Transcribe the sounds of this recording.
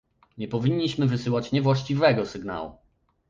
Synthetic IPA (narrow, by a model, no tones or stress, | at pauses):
ɲɛpɔvʲiɲːiɕmɘvɘsɘwat͡ɕɲɛvwaɕt͡ɕivɛɡɔsɘɡna̰wṵ